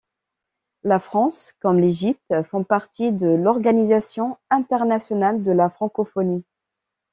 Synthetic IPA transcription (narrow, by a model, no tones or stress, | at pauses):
lafχɑ̃skɔmleʒip̚t̪fɔ̃paʁt̪ʰid̪əlɔʁɡanizasjɔ̃ɛ̃t̪ɛʁnasjɔnald̪əlafχɑ̃kɔfɔni